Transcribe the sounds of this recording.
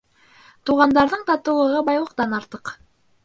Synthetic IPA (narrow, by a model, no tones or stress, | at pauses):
t̪uʁɑnd̪ɑɾðɤɴt̪ɑt̪ɤ̆wlˠɤ̆ʁɤbɑjlˠɤ̆q̚t̪ɑnɑɾt̪ɤq